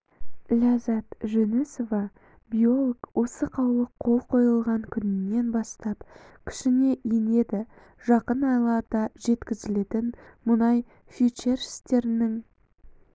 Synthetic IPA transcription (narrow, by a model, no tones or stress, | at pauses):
lʲazɑt̪ʒeneso̞vɑ | bʲijo̞lˠokwʔo̞səqʰɑwlˠəqʰːo̞lˠqʰo̞jəlˠʁɑŋkʲʰʏnɪnːe̞nbɑst̪ɑpkʲʰɪ̥ʃɪne̞ʔine̞d̪ɪ | ʒ̥ɑqənɑjlˠɑd̪ɑʒe̞t̪kʲɪzɪle̞t̪ɪnmʊnɑj | fʲit͡ʃe̞ɾɪ̥st̪e̞ɾɪnɪŋ